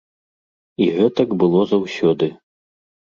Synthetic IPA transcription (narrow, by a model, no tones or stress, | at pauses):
iɣɛt̪ɐkbɨlˠɔzawsʲɔd̪ɨ